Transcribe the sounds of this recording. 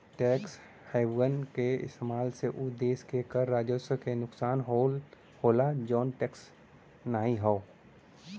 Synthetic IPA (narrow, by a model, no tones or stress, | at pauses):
ʈɛːks | haːbənkeɪ̰st̪eːmaːlseʔʊd̪eːskekəɾːaːd͡ʒosəkenʊksaːnɦol | hoːlad͡ʒɔːnʈɛːks | naːɦĩɦɔo